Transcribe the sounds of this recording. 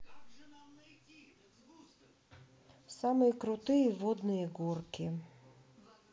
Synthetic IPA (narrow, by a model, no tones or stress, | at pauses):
sɑmɪjikɾʊt̪ɪjiʋɔd̪nɔjiɡɔrkʲɪ